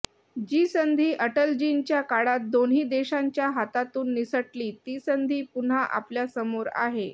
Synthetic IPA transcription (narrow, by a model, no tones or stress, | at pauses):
d͡ʑiːsənd̪ʱiːʔəʈəld͡ʑint͡ɕjakaɽat̪̚d̪onɦiːd̪eɕaɲt͡ɕjaɦat̪at̪uːnːisəʈliːt̪iːsənd̪ʱiːpun̤aʔa̰pljasəmoɾa̰ɦe